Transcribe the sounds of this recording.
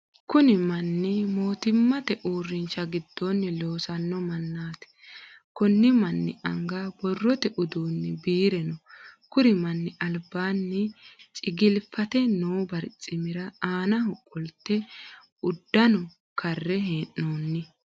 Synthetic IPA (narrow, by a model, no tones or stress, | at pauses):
kʊnɪmɐnːɪmo̞ːt̪ɪmːɐt̪ɛʔuːrːɪnt͡ʃːɐɡɪd̪̥ːɔnːɪlo̞ːsɐnːɔmɐnːaːt̪ɛ̥ | kɔnːɪmɐnːɪ̰ʔɐŋɡabɔrːɔt̪ɛʔʊd̪uːnːɪbiːɾɛnɔkʊɾɪmɐnːɪʔɐlbːaːnːɪt͡ʃʼɪɡɪlfɐt̪ɛnuːbɐɾt͡sʼːɪmɪɾɐaːnɐɦʊkʼːɔlt̪ːɛ | ʊd̪ːɐnɔ | kʰɐrːɛɦeːnːoːnːɪ